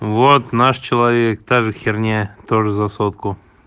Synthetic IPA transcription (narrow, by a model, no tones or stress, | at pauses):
vot̪naʂt͡ɕɪlˠɐvʲek̚t̪aʐɨxʲɪrnʲet̪oʐəzɐsot̪kʊ